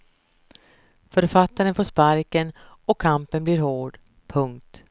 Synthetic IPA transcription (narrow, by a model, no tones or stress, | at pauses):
fœɾfat̪ːaɾənfoːʂpaɾkənɔkʰːampənblɪɾhoːɖ | pʰɵŋk̚t̪